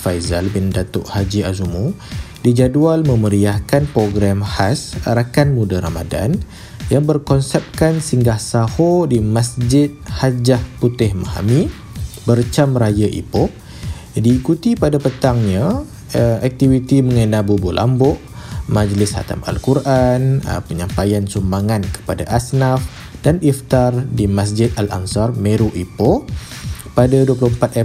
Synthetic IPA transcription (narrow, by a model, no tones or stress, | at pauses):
fajza̰lbɪndat̪o̰ʔhad͡ʒiazumu | did͡ʒadualmə̃məɾiahkanpɾoɡɾamhasaɾakanmudaɾa̰mada̰n | jaŋbərkɔnsɛp̚kansiŋɡahsahodimasd͡ʒɪt̪̚had͡ʒahput̪ɪhmaha̰mi | bərt͡ʃamrajaʔḭpʊʔ | diːkut̪ipadapət̪aŋɲa | ɛk̚t̪ivit̪iməŋənabubulʔa̰mbɔʔ | mad͡ʒlɪsha̰t̪a̰ma̰lkuɾʔanə̰pəɲampajansumbaŋankə̥pada̰ʔasnaf | danift̪ardimas̬d͡ʒɪt̪̚ala̰ŋsarmeɾuʔipo | padaduəp̬luhəmpat̪ɛ